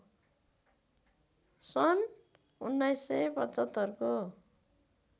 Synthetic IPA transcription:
sʌn | unːajsːepʌt͡sʌt̪ːʌrko

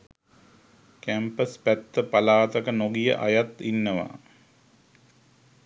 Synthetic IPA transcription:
kæmpəspæt̪ːəpalaːt̪əkənoɡijə̰ʔajat̪inːəʋa̰

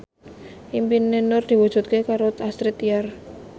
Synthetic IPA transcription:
ʔimpinenʊrd̪̥i̤wud̥ʒ̥ṳt̪̚kekaɾot̪ast̪ɾet̪iar

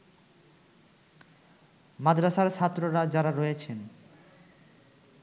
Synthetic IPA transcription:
mad̪ɾaʃaɾt͡ɕʰat̪ːɾoɾad͡ʑaɾaɾɔjet͡ɕʰen

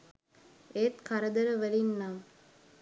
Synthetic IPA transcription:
et̪kʰaɾəd̪əɾəʋəlinːaː

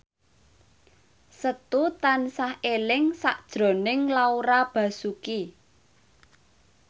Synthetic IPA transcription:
sət̪ut̪ansahelɪŋsaʔd̥ʒ̥ɾo̤nɪŋlauɾab̥ä̤suki

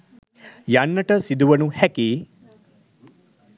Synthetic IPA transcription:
jaːnːɐʈɐsid̪uʋɐnuhɛki

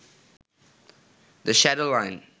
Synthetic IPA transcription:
d̪əʃæɾolãɪ̃n

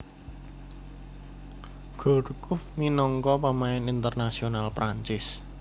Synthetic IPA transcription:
ɡ̥ɔ̤ɾukʊfminɔŋkɔpamaɪnint̪ərnasionalpɾaɲt͡ʃɪs

